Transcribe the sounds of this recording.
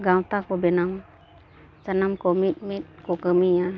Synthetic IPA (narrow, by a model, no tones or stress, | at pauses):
ɡawt̪akobenaŋ | sanamkomit̪̚mit̪̚kokəmia